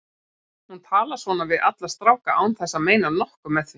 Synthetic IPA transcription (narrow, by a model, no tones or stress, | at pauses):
hunt̪ʰaːlaɾ̥svɔːnavɪðʔa̰t̪lḁst̪ɾawkaʔawnθɛsːameːjnanɔhkʏmːɛðθʏ